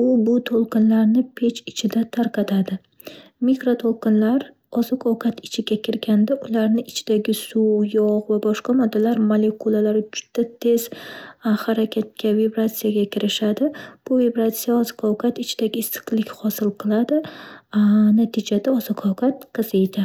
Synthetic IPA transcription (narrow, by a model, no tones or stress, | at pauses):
ʊbʊt̪ʰolˠqɨnlaɾnɪpʰe̞t͡ʃɪt͡ʃʰɪd̪at̪ʰaɾqʰɑt̪ʰad̪ɪ | mikɾot̪ʰolˠqɨnlaɾ | ɒzɒqʰɒwkʰat̪ʰɪt͡ʃʰɪɡʲakʲʰɪɾɡʲand̪aʔʊlaɾnɪɪt͡ʃʰɪd̪̥aɡʲɪsujɒqvabɒʃqɑmɒd̪ːalaɾmale̞kulˠalaɾɪd͡ʒʊ̥d̪̥ːat̪ʰe̞z̥ | haɾakʲʰat̪̚kʲʰavibɾat̪sijaɡʲakʲʰɪɾɪʃad̪ɪb̥ʊvibɾat̪sijaɒzkʰɒwkʰat̪ɪt͡ʃʰɪd̪aɡʲɪɪst̪ɨ̥qlˠɪkʲhɒsɪlˠqʰɨlˠad̪ɪ | nat̪ʰɪd͡ʒad̪aɒzɒkʰɒwkʰat̪̚qʰɨzejd̪ɪ